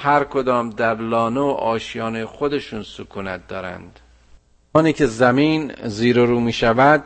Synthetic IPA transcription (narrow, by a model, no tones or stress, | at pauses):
hæɾkʰod̪ɒːmd̪æɾlɒːneoʔɒːʃijɒːnejxod̪e̞ʃuːnsukʰuːnæt̪̚d̪ɒːɾæ̰nd̪̥ | ɒːniːcʰezæmiːnziːɾeɾuːmiːʃævæd̪